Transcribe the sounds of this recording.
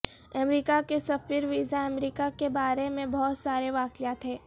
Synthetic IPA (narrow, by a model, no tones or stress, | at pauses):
ɐmɾiːkakesɐfiɾʋiːzaɐmɾiːkakebaːɾemẽbɔɦːt̪saːɾeʋaːkijaːt̪ɦɛ̃ː